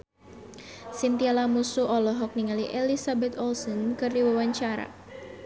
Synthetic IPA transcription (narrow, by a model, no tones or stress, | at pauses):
sint̪ialamusuʔɔlɔɦɔk̚niŋaliʔelisabɛt̪ɔlsɔnkɨrdiwawaɲt͡ʃaɾa̰